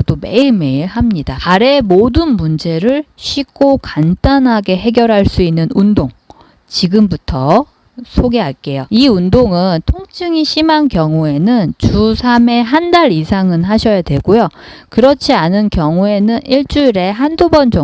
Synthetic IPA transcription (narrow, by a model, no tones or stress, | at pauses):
dome̞iɭme̞iɭhamɲidaaɾe̞modɯnmund͡ʑe̞ɾɯɭɕʰɥik͈ʰokant͈anɦaɡe̞ɦe̞ɡjʌɾɦaɭs͈uinːɯnundoŋ | t͡ɕiɡɯmbutʰʌ | sʰoɡeɦaɭk͈e̞joiundoŋɯntʰoŋt͡ɕʰɯŋiɕʰimankjʌŋue̞nɯnt͡ɕusʰame̞ɦandaɾisʰaŋɯnɦaɕʰʌjadwe̞ɡojo | kɯɾʌt͡ɕʰianɯnkjʌŋue̞nɯniɭt͡ɕ͈uiɾe̞ɦandubʌnd͡ʑʌ